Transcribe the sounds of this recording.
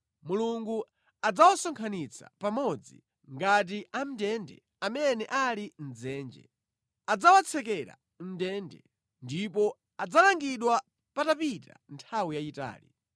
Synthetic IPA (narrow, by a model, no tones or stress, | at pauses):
muluŋɡu | ad͡zawasɔŋkʰanit͡sʰapamɔd͡zḭ | ŋɡat̬iʔam̩dɛndɛ̰ | amɛnɛʔalin̩d͡zɛːnd͡ʒɛ̰ | ad͡zawat͡sʰɛkɛɾa̰ | m̩dɛndɛ̰ | ndipɔ | ad͡zalaŋɡiɗwa | patapita̰ntʰawijaita̰ːlḭ